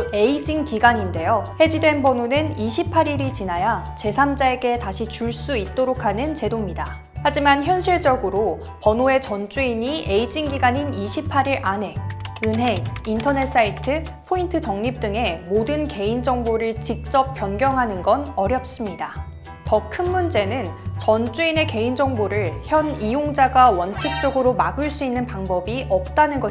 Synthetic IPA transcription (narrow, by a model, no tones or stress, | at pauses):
e̞id͡ʑiŋkiɡaɲinde̞johe̞d͡ʑidwe̞nbʌnunɯniɕʰipʰaɾiɾit͡ɕinajat͡ɕe̞sʰamd͡ʑae̞ɡe̞taɕʰit͡ɕuɭs͈uit̚t͈oɾokʰanɯnt͡ɕe̞domɲida | had͡ʑimançjʌnɕʰiɭt͡ɕʌɡɯɾo | pʌnoe̞t͡ɕʌnt͡ɕ͈uiɲiʔe̞id͡ʑiŋɡiɡaɲiniɕʰipʰaɾiɾʔane̞ɯnɦe̞ŋ̚intʰʌne̞t̚s͈aitʰɯ | pʰointʰɯt͡ɕʌŋɲip̚t͈ɯŋe̞modɯnke̞ind͡ʑʌŋboɾɯɭt͡ɕik̚t͡ɕ͈ʌp̚p͈jʌnɡjʌŋɦanɯnɡʌnʌɾjʌp̚s͈ɯmɲida | tʌkʰɯnmund͡ʑe̞nɯnt͡ɕʌnt͡ɕ͈uine̞ke̞ind͡ʑʌŋboɾɯɭçjʌnijoŋd͡ʑaɡawʌnt͡ɕʰik̚t͡ɕ͈ʌɡɯɾomaɡɯɭs͈uinːɯnpaŋbʌbiʔʌp̚t͈anɯnɡʌ